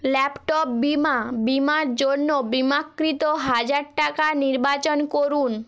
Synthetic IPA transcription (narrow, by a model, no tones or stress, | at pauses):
lɛpʈop̚bimabimaɾd͡ʑonːobimakːɾit̪oɦad͡ʑaɾʈakaniɾbat͡ɕonkoɾun